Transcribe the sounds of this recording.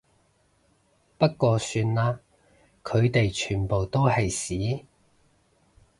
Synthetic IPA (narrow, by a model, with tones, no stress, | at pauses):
pɐ˥t̚kʷɔː˧syː˧nlaː˥ | kʰɵ˨˧ɥt̪e˨jt͡ʃʰyː˨˩npo˨wt̪o˥whɐ˨jsiː˨˥